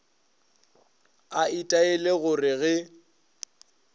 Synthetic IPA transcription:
aitʼaeleɣʊrɪɣɛ

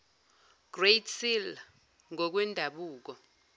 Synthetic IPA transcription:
ɡ̥rejtʰsil | ŋɔk̬wɛndʱaɓuːk̬ɔ

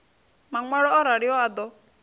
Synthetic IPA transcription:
maŋaɽɔɔɾaɽiɔad̪ɔ

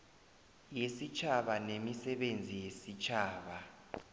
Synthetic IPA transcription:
jesit͡ʃʰaɓanemisɛɓend͡zʱijesit͡ʃʰaːɓa

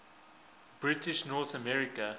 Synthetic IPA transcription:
b̥ɹitɪʃnɔθəmɛɹikə

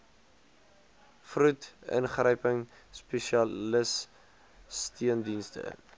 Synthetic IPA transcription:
frutə̰nχrəjpəŋ | spɛʃiɐləs | stiəndinstə̰

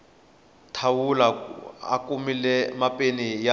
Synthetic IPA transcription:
tʰawulaa̰kʼumilɛmapʼenija

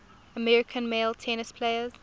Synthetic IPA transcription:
əmɛɹɪkʰə̃nmeɪlˠtʰɛnɪspʰl̥eɪəz̥

